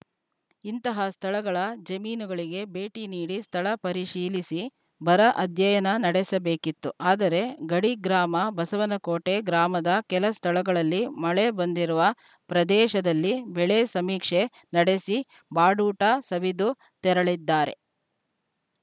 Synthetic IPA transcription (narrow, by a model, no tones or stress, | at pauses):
int̪ɐɦɐst̪ʰɐɭɐɡɐɭɐd͡ʒɐmiːnuɡɐɭiɡe̞be̞ːʈiniːɽist̪ʰɐɭɐpɐɾiʃiːlisi | bɐɾɐʔɐd̪ʱjɐjɐnɐnɐɽɛsɐbeːkit̪ːuʔaːd̪ɐɾe̞ɡɐɽiɡɾaːmɐbɐsɐʋɐnɐkoːʈe̞ɡɾaːmɐd̪ɐkɛlɐst̪ʰɐɭɐɡɐɭɐlːimɐɭe̞bɐnd̪iɾuʋɐ | pɾɐd̪ɛːʃɐd̪ɐlːibɛɭesɐmiːkʂe̞ | nɐɽe̞si | baːɖuːʈaːsɐʋid̪u | t̪ɛɾɐɭid̪ːaːɾe̞̰